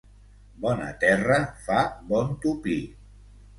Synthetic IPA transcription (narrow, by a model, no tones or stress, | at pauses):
bɔnə̰t̪ɛrəfabɔnt̪upi